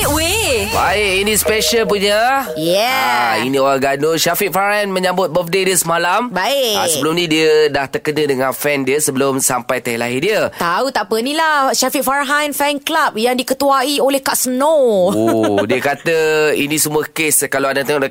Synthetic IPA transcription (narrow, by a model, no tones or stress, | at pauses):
ʔwebaɪʔinĩspeʃəlp̬uɲəjɛaḭnĩoɾaɡanoʃafiʔfaɾaanmə̃ɲãmbʊt̪̚bəfdediəsəmalambaea̰səbəlʊmnĩdiədaht̪ərkənə̃dəŋãnfɛndiəsəbəlʊmsampajt̪əɦilaɦidiət̪aut̪aʔpənĩlaʃafiʔfaɾɦãnfɛnklap̚jaŋdikət̪uaiolɛhkaʔsənoodiəkat̪əḭnĩsəmuəkeskalaadat̪əŋɔʔ